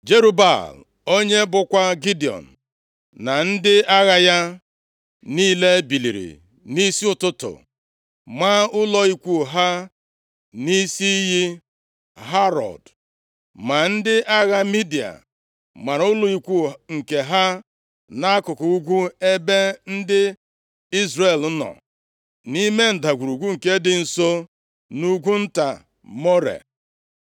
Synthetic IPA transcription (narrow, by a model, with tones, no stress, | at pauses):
d͡ʒe˦ɾu˦ba̰˨l | o˦ɲe˦bʊ˨kʷa˦ɡi˦di˨ɔ̰˨n̩˨ | na˨n̩˦dɪ˦a˦ɣa˦ja˦ | niː˦le˦bi˨li˨ɾḭ˨ | ni˦si˦ʊ˦˨tʊ˦tʊ̰˨ | ma˦ʊ˦lɔ˦i˦kʷu˦˨ɦa˦ | ni˦si˦ji˦ | ɦa˦ɾɔ̰˨d | ma˨n̩˦dɪ˦ʔa˦ɣa˦mi˦di˨a̰˨ | ma˨ɾʊ˦lʊ˦i˨kʷu˦˨ŋ̩˨ke˨ɦa˦ | na˦a˦kʊ˨kʊ˨u˦ɡʷu˦e˦be˦n̩˦dɪ˦ | i˦zre˨l̩˦nɔ̰˨ | ni˦me˦n̩˨da˨ɡʷu˨ɾu˨ɡʷu˦ŋ̩˨ke˦dɪ˨n̩˨so˦ | nu˦ɡʷu˦n̩˦ta˨ | mo˦ɾḛ˨